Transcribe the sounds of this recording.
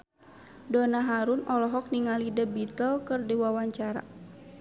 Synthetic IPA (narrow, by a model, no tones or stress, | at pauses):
dɔnaɦaɾunɔlɔɦɔk̚niŋalidabit̪əlkərdiwawaɲt͡ʃaɾa̰